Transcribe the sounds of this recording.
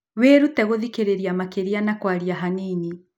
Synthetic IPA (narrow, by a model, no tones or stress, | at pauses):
weɾutɛɣoðikeɾeɾiamakeɾianakwaɾiaɦanini